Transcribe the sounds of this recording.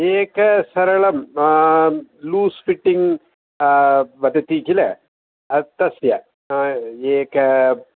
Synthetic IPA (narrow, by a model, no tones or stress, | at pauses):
eːkːɐsɐɾɐɭɐm | luːsfiʈːiŋ | ʋɐd̪ɐt̪ːit͡ɕːilɐ̰ | ɐt̪ɐsjɐ | eːkɐ